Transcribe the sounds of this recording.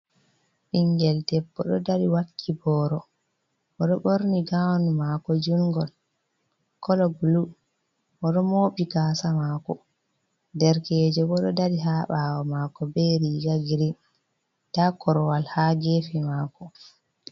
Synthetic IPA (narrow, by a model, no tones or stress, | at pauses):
ʔiŋɡɛltɛbːɔɗɔdaɾiwakʰːibɔːɾɔ | ʔɔɗɔɓoɾniɡawnumakɔd͡ʒuŋɡɔl | kɔlɔblu | ʔɔɗɔmoːɓiɡaːsamakɔ | dɛɾkɛːd͡ʒɔbɔɗɔdaɗiɦaːɓawɔmaːkɔbɛɾiɡaɡiɾi | takɔɾɔwalhaɡeːfimaːkɔ